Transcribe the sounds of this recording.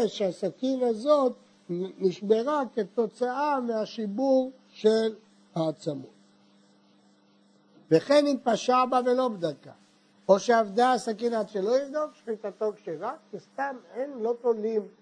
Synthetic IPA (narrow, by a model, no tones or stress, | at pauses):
ʃeasakinazot̪ | miʃmeʁaket̪o̞t͡saameaʃibuʁ | ʃel | haːt͡samo̰t | veχenit̪̚paʃabavelo̞bd̪aka̰ | oʃeavd̪aːsakinat̪ʃelo̞ivd̪ofʃχit̪at̪o̞kʃeʁakkist̪amenlo̞tolim